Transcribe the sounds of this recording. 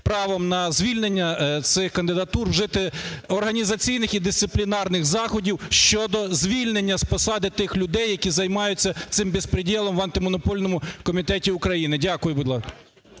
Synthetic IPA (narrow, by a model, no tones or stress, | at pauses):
pɾɑʋɔmnɐzʲʋʲilʲnenʲːɐt̪sɪxkɐnd̪ɪd̪ɐt̪urwʒɪt̪ɪɔrɦɐnʲizɐt͡sʲijnɪxid̪ɪst̪sɪplʲinɑrnɪxzɑxɔdʲiwʃt͡ʃɔd̪ɔzʲʋʲilʲnenʲːɐspɔsɑd̪ɪt̪ɪxlʲʊd̪ɛjːɐkʲizɐjmɑjʊt͡sʲːɐt̪sɪmbʲɪspɾɪdʲilˠɔmʋɐnt̪ɪmɔnɔpɔlʲnɔmʊkɔmʲit̪ɛtʲiʊkɾɐjinɪdʲakʊjʊbʊd̪ʲlˠɑ